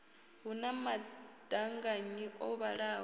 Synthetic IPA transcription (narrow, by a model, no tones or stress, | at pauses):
ɦunamad̥aŋɡaɲiʔɔβaɺaː